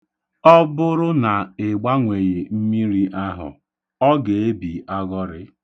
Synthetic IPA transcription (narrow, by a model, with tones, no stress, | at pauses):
ɔ˦bʊ˦ɾʊ˦na˨ɪ˨ɡ͡ba˦ŋʷe˨je˨m̩˦mi˦ɾi˦ʔa˦ɦʊ̰˨ | ɔ˦ɡe˨e˦bi˨a˦ɡɔ˦ɾɪ˦